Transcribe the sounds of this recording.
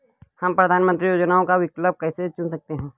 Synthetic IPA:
hɐmpɾɐd̪ʱaːnmə̃nt̪ɾijoːd͡ʒnaːõkaʋɪkləb̚kɛːset͡ʃʊnsɐk̚t̪eɦɛ̃ː

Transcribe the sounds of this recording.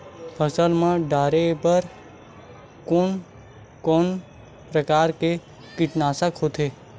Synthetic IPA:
pʰəsəlmãɖaːɾepəɾ | kon | koːn | pɾəkaːɾke | kɪʈnaːsəkɦoːt̪eː

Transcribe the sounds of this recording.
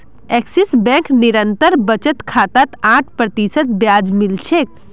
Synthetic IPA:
ɛksisbɛ̃kniɾənt̪əɾbət͡ʃət̪kʰat̪at̪ãʈʰpɾət̪isət̪̚bjad͡ʒmilt͡ʃʰek̚

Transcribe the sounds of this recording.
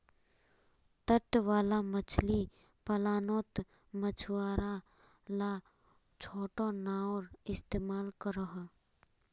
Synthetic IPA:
t̪əʈʋaːlamət͡ʃʰli | pɐlaːnoːt̪ | mət͡ʃʰwaːɾa | la | t͡ʃʰoːʈõnaːoɾɪst̪eːmaːlkəɾəɦ

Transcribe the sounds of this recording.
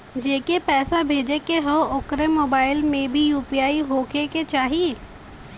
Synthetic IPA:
d͡ʒeːkepɛːsabʱeːd͡ʒekeɦoʊkɾemoːbaːɪlmẽbʱijuːpijaːiɦoːkeket͡ʃaːɦie

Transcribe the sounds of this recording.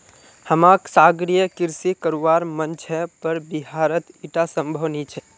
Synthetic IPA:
həmaksaɡɾijəkiɾsikəɾuʋaɾmənt͡ʃʰɛpəɾbiɦaɾət̪iʈasəmbʱəʋnit͡ʃʰɛ

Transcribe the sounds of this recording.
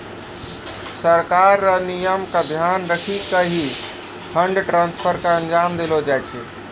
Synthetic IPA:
səɾkaɾːanijəmkad̪ʱjanɾəkʰikəɦi | pʰəɳɖʈɾãːnspʰəɾkaə̃nd͡ʒaːmd̪elod͡ʒaɛt͡ʃʰɛː

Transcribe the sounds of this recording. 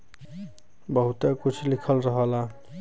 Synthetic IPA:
bəɦut̪ekut͡ʃʰlikʰəlɾəɦəla

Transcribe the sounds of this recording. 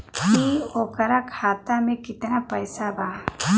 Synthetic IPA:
miɔkaɾakʰat̪amekit̪ɐnapəjsaba

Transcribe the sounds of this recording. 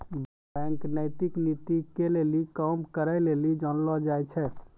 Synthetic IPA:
bɛ̃ŋknəɪt̪iknit̪ikelelikəmkəɾəjlelid͡ʒɔnlɔd͡ʒajt͡ʃʰɛ

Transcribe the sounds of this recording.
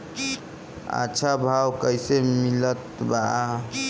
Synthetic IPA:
a̰ːt͡ʃʰabʱawkəjsemilət̪baa

